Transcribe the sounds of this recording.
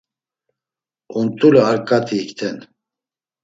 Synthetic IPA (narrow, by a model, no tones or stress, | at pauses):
unt̪ʼulɛaɾkʼat̪ʰiːkt̪ʰɛn